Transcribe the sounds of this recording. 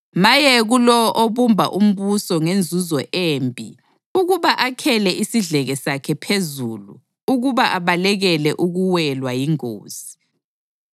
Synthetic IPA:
majɛɣulɔʔoβumbʱa̰ʔum̩βusɔŋend͡zʱuzɔʔeːmbʱḭ | uɣuβaʔakʰɛlɛʔisiɮɛɣɛsakʰɛpʰezulu | uɣuβaʔaβalɛɣɛlɛʔuɣuwɛlwajiŋo̰ːz̥i

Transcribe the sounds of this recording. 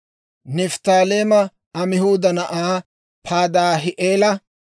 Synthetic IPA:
nɛft̪aːleːmɐ | ɐmɪhuːd̪ɐnɐʔaː | pʰaːd̪aːɦɪʔeːlɐ

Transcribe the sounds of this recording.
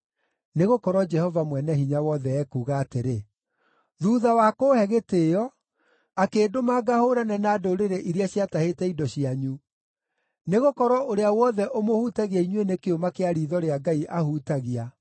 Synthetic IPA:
neɣokɔɾwɔd͡ʒɛhɔvamwɛnɛɦiɲawɔðɛɛkuːɣaːteɾe | ðuːðawakoːhɛɣeteɔ | akeːdomaɡahoːɾanɛnaːdoɾeɾeʔiɾeaɕjatahetɛidɔɕiaɲu | neɣokɔɾɔʔoɾeawɔðɛʔomohutaɣiaiɲwenekeomakeaɾiːðɔɾeaɡaiʔahutaɣia

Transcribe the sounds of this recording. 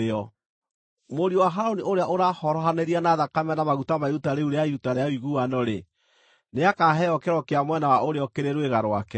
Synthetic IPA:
ɔ | moɾiɔwaɦaɾoniʔoɾeaʔoɾahɔɾɔɦaneɾianaðakamɛnamaɣutamautaɾeuɾeaiutaɾeawiɣuanɔɾe | neakaːɦɛɔkeɾɔkeamwɛnawaʔoɾeɔkeɾeɾweɣaɾowakɛ

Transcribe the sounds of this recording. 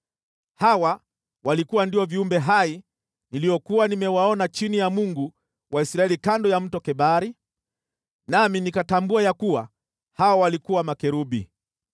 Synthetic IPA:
hawa | wʔalikuwandiɔviumbɛɦai | nilijɔkuwanimɛwaɔnat͡ʃinijamuŋɡu | wʔaisɾaɛlikandɔjam̩tɔkɛɓaɾi | naminikatambuajakuwa | hawawalikuwamakɛɾuɓḭ

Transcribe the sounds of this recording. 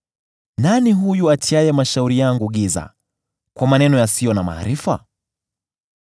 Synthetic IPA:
naniɦujuatʰiajɛmaʃauɾijaŋɡuɠiza̰ | kwamanɛnɔjasijɔnama̰ːɾifa̰

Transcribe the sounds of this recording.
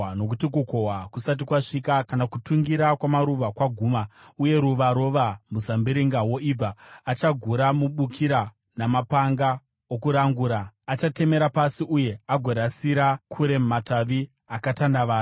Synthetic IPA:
no̞k̬utikuko̞ɦwakusat̬ikwaʂikakanakutuŋɡiɾakwamaɾuʋakwaɡʱuːmauje̞ɾuʋaɾo̞ʋamuzambiɾiŋɡawo̞ib͡vaːt͡ʃaɡʱuɾamuɓukʰiɾa | namapaŋɡa | okuɾaŋɡuːɾaːt͡ʃate̞me̞ɾapasiʔuje̞aɡʱoɾasiɾakʰuɾe̞mmataʋi | akatanaʋaː

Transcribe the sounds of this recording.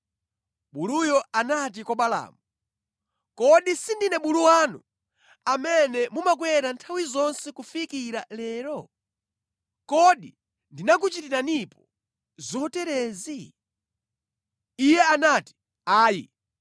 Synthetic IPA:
ɓulujɔanat̬ikɔɓala̰ːmu | kɔɗisindinɛɓuluwanṵ | amɛnɛmumak̬wɛɾantʰawizɔnsɛkufikiɾalɛːɾɔ | kɔɗi | ndinak̬ut͡ʃitiɾanipɔ | zɔtɛɾɛːzi | ijɛanati̥ | aːji

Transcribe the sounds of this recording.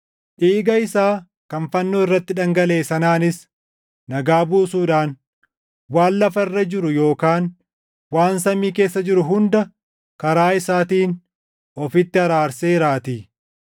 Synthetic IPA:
ʔiːɡɐɪsaː | kɐnfɐnːoːɪrːɐt̪ːɪᶑɐŋɡɐle̞ːsɐnaːnɪs | nɐɡaːbuːsuːᶑaːn | waːnlɐfɐɪrːɐd͡ʒɪɾʊjo̞ːkaːn | waːnsɐmiːke̞ːsːɐd͡ʒɪɾʊɦʊnd̪ɐ | kɐɾaːɪsaːt̪iːn | ʔɔfɪt̪ːɪhɐɾaːɾseːɪɾaːt̪iː

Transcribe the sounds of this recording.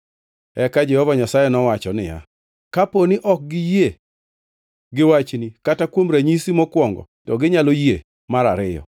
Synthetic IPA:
ɛkad͡ʒɛhɔvaɲasajɛnɔwat͡ʃɔnɪja̰ | kaponiʔɔk̚ɡɪje | ɡɪwat͡ʃnikatakwomɾaɲisimɔkwɔŋɡɔ̰tɔɡɪɲaloje | maɾaɾɪjɔ̰

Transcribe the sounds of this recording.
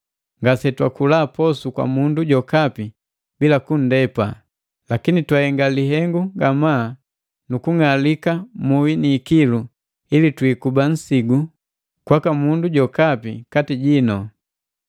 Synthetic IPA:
ŋɡasɛtwakulaːpɔsukwa̰munduɟɔkapi | bilakun̩dɛpa̰ | lakinitwahɛŋɡaliɦɛŋɡuɡamaː | nukuŋalikamuwiniːkilu | ilitwiːkuban̩siɡu | kwakamunduɟɔkapikatiɟinɔ

